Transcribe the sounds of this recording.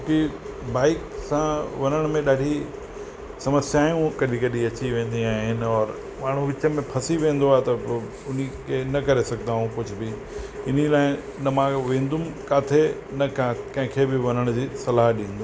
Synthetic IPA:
ki | baːɪksãʋɐnəɽ̃mẽɗaːɖʱi | sɐməsjaːjũkɐɗikɐɗiɐt͡ɕiʋẽːnd̪iaːɦɪnɪ̆ɔːɾ | maːɳ̤ũʋɪt͡ɕəmẽpʰɐsiʋẽːn̆d̪oaːɦet̪ɐ | ʊnikʰenɐkɐɾesɐɡd̪aːɦũkʊd͡ʑʱʊbɪ | ɪn̤ilaːɪ | nɐmãʋẽːn̆d̪ʱʊmkaːt̪ʰe | nɐkakɐ̃ɦɪ̃kʰebɪʋɐnəɽ̃d͡ʑiːsɐlaːɦɗĩːn̆d̪u

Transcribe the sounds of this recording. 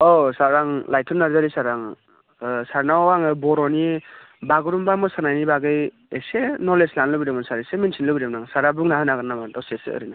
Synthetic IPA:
ɔsaɾaŋlajtʰɔnaɾzaɾisaɾaŋ | saɾnawaŋɯbɔɾɔni | baɡɯɾumbamɔsanajnibaɡɯj | esenɔɾleslanlɯbiɾemasaɾeseminsʰinlɯbiɾemnaŋsaɾabuŋnaɦanaɡɯɾnamantɔsesɯ̰ɯ̰ɾɯna

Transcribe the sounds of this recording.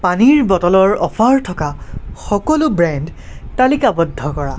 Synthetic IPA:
paniɹbɔtɔlɔɹɔpʰaɹtʰɔkaxɔkɔlʊbɹɛndtalikabɔdʱːɔkɔɹa̰

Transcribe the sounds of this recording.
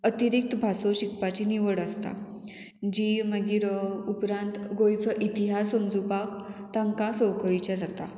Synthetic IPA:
ət̪iɾik̚t̪bʱasoɕikpat͡ɕiniʋəɽəst̪a̰ | d͡ʑiməɡiːɾupɾãnt̪ɡojt͡səʔit̪iɦasəmd͡zupakt̪ãŋkãsɔwkəɭit͡ɕjad͡zat̪a̰

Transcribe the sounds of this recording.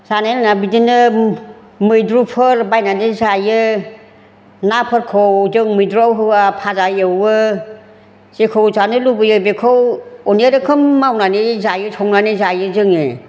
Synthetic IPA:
z̥anajnanabidinɯ | mɯjdɾupʰɯɾbajnanizajɯ | napʰɯɾkʰɔwdɯŋmɯjdɾawɦɯwapʰazaɯwɯ | z̥ekʰɯwzanɯlubɯjɯbekʰɯwɔneɾɯkʰɯmːawnanizajɯtʰɔŋnanizajɯzɯŋe

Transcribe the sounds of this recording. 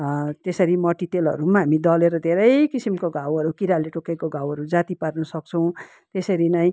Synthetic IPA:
t̪esʌɾimʌʈit̪elʌ̰ɾumaɦamid̪ʌleɾʌd̪ʱeɾʌjkisimkoɡʱawɦʌɾukiɾaleʈokekoɡʱãwɦʌɾud͡zat̪iparnʌsʌk̚t͡sʰʌw̃ | t̪esʌɾinaj̃

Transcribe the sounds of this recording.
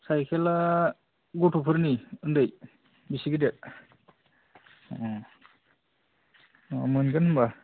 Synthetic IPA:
sajkʰela | ɡotʰupʰɯɾniɯndɯj | bisiɡidet̚ | mɯnkɯnhɯmba

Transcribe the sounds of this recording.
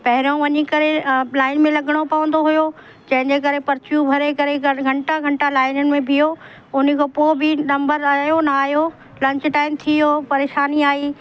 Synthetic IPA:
pɐɦɪɾõʋɐɲikɐɾelaːɪnmẽlɐɡəɽ̃opɐʋə̃nd̪oɦujo | d͡ʑɐ̃ɦɪ̃ɲd͡ʑek̬ɐɾepɐɾt͡ɕjũbʱɐɾekɐɾeɡʱɐ̃ɳʈaɡʱɐ̃ɳʈalaːɪnənɪ̆mẽbʱijo | ʊnɪ̆kʰoːpoːbʱɪnɐ̃mbəɾaːjonɐaːjo | lɐ̃ɲt͡ɕʈaːɪmt̪ʰioːpɐɾeːʃaːniaːiː

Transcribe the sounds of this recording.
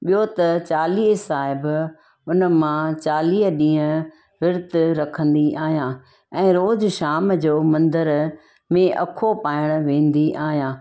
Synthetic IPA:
ɓijot̪ɐt͡ɕaːliːɦsaːɦɪb | ʊnəmãt͡ɕaːliːɦɗĩːə̃ | ʋɪɾt̪ɾɐkʰə̃nd̪iʔaːɦijãː | ɛ̃ːɾoːd͡ʑʃaːmd͡ʑoːmɐ̃nd̪əɾ | mẽʔɐ̰kʰopaːɪɽ̃ʋẽːn̆d̪iʔaːɦijãː

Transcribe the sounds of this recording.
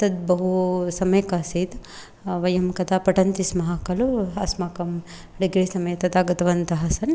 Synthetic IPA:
t̪ɐd̪̚bɐɦusɐmɐjkaːsiːd̪ | ʋɐjɐmkɐt̪aːpɐʈɐnt̪ismɐɦakɐluɐsmaːkɐm | ɖiɡɾisɐmɐjɐt̪ɐt̪aːɡɐt̪ɐʋɐnt̪ɐɦɐsɐn

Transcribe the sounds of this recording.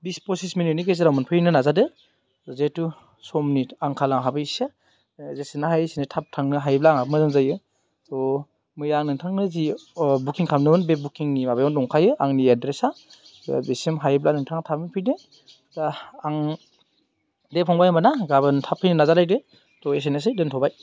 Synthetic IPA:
bispɔsisminit̚nikes̬eɾawmɯnpʰɯjnɯnazadɯ | tɔzetu | sɔmnitaŋkʰalaŋɦabɯsa | zesinaɦajsinɯtʰap̚tʰaŋnɯɦajblaŋabmɯzɯŋzajɯ | tɔ | mɯjaŋnɯŋtʰaŋnɯzibukiŋkʰamnɯbɯnbebukiŋnimabajɔndɔŋkʰajɯaŋniadɾesa̰ | besimɦajblanɯŋtʰaŋatʰamɯnpʰɯjdɯ | zaaŋ | depʰɔŋbajmbanaɡabɯntʰapʰɯjnɯnazalajdɯ | tɔes̬enesɯdɯntʰɔbaj

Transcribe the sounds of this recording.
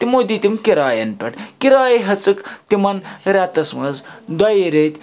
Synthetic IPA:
t̪imod̪it̪ʲimkiɾaːjɐnpʲɛʈkiɾaːjeɦɐt͡sɨkt̪imɐnɾat̪ɐsmɐzd̪ajɾet̪ʲ

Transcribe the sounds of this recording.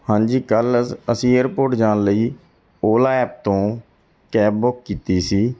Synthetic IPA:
hãːɲd͡ʒiːkələsĩːeːɾpoːɾʈd͡ʒãːnləiː | oːlaːɛːp̚t̪õː | kɛːbbʊkːiːt̪iːsiː

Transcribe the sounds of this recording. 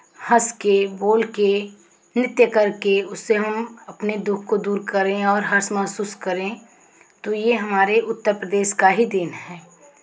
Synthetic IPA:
hɐskeboːlke | nɪt̪jəkəɾkeʊsːeɦɐmɐpned̪ʊkʰkod̪uːɾkɐɾẽɔːɾɦɐɾsmɐɦsuːskɐɾẽ | t̪ojeɦɐmaːɾeʔʊt̪ːəɾpɾəd̪eːʃkaɦid̪ɪnɦɛː

